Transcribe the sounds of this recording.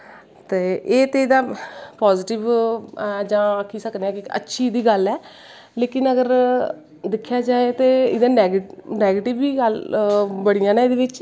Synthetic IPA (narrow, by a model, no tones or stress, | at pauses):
t̪eːʔeːt̪eːɪd̪ãːpɔːzɪʈɪʋ | d͡ʒãːəkʰiːsəkneːaːkɪə̰tːʃʰiːd̪iːɡəlɛː | leːkɪnəɡəɾ | d̪ɪkʰːjaːd͡ʒaːet̪eːɪd̪ãːnɛːɡnɛːɡeːʈɪʋiːɡəlbəɽijãːnɛ̃ːeːd̪eːʋɪt͡ʃ